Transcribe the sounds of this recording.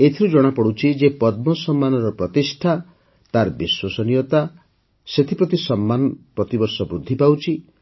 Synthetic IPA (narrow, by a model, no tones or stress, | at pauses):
et̪ʰiɾud͡ʒɔɽ̃apɔɽut͡ʃʰid͡ʒepɔd̪̚mɔsɔmːanɔɾɔpɾɔt̪isʈʰa | t̪aɾbiswɔsɔnijɔt̪a | set̪ʰipɾɔt̪isɔmːanɔpɾɔt̪ibɔɾsɔbɾud̪ʱːipawt͡ʃʰi